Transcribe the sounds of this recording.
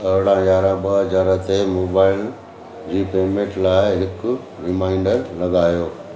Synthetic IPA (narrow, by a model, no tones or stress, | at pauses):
ɐɦɽãjaːɾãbɐɦd͡ʑaːɾət̪emoːbaːɪl | d͡ʑiːpeːmẽːʈlaːɪɦɪkʊ̆ | ɾɪmaːɪ̃ɳɖəɾlɐɡaːjoː